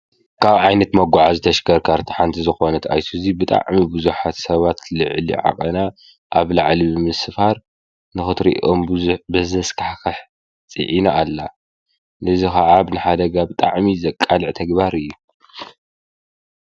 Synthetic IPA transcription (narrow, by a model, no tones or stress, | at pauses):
kʰaβʕajnɐt̪mɐɡʷaʕazɨt̪ʰɐʃkʰɐɾkʰaɾt̪ʰi̥ħant̪ʰizɨxo̞nɐt̪ʰa̰jsʰuzibɨt̪ʼa̰ʕmibɨzuħat̪sɐβat̪lɨʕlḭʕa̰qʼɐna | ʔaβlaʕlibɨmɨsfaɾ | nɨxɨt̪ɾḭʔʔombɨzuħbɐzɐskʰaħkʰaħ | t͡sʼḭʕinaːlːa | lɨzixaʕaβnɨħad̪ɐɡabɨt̪ʼa̰ʕmizɐkʼːalɨʕt̪ʰɐɡbaɾɨjːu